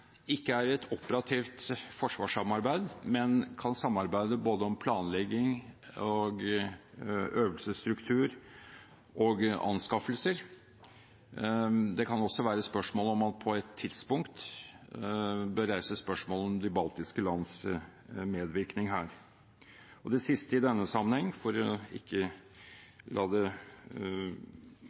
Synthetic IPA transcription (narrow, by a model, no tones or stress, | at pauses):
ɪkːəæɾɛt̪ʰɔpəɾɑt̪ʰiːft̪fɔʂʋɑːʂɑmɑɾbæɪd̪mɛnkʰɑnsɑmːɑɾbæɪd̪əboːd̪əɔmpʰlɑːnlɛɡːɪŋɔɡ | øːʋəlsəst̪ɾʉkt̪ʰʉːɾ | ʔɔːɡɑ̰nskɑfəlsəɾ | d̪ɛkʰɑnɔsɔʋæːɾəspœʂmoːlɔmɑt̪pʰɔɛt̪ʰːɪd̪spʊŋkt̪ | bəɾæɪsəspœʂmoːləɔmd̪ɪbɑlt̪ɪskəlɑns | meːd̪ʋɪɾknɪŋɦæːɾ | ɔd̪ɛsɪst̪əɪd̪ɛnːəsɑmːənhɛŋːfɔɾɔɪ̰kːə | lʔɑːd̪ɛ